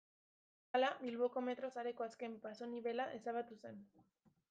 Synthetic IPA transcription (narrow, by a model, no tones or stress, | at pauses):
alaβilβoko̞me̞t̪ɾo̞saɾe̞ko̞aske̞mpaso̞niβe̞laʔe̞saβat̪use̞n